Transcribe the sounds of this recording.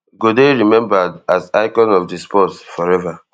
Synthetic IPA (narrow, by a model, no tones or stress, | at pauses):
ɡodeɹimɛ̃mbadazaɪkɔ̃nɔfdispɔtfɔɾɛva